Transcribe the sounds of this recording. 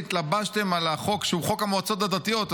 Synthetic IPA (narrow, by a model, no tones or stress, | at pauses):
it̪labaʃte̞malaχo̞kʃeuχokamoat͡so̞t̪̬ad̪at̪ijo̞t